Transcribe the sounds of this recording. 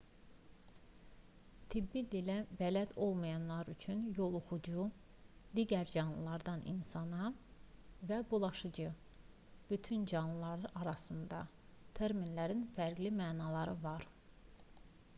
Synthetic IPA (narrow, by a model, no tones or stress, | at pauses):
t̪ʰibːid̪ilævælæd̪o̞lˠmɑjɑnlˠɑɾyt͡ʃʰynjo̞lˠoxud͡ʒu | d̪iːɟæɾd͡ʒɑnlˠɯlˠɑɾd̪ɑnḭnsɑnɑ | væbulˠɑʃɯd͡ʒɯ | b̥yt̪ʰynd͡ʒɑnlˠɯlˠɑɾɯʔɑɾɑsɯnd̪ɑ | t̪ʰeɾminlæɾinfæɾɡlimæːnɑlˠɑɾɯvɑɾ